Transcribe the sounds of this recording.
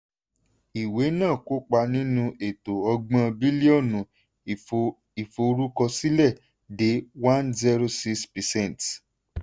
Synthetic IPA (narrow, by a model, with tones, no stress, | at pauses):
i˨we˨˦nãː˦˨ko˨˦k͡pa˧nĩ˦nũ˧ʔe˨to˨ɔ˧ɡ͡bã˦˧bi˦li˦ɔ˦˨nũ˨ | i˨fo˧ɾu˦kɔ˧si˦lɛ˦˨ | de˨˦wã˦nzɛ˦ɾo˧si˦kspɛ˨sɛ̃˦˨n˨t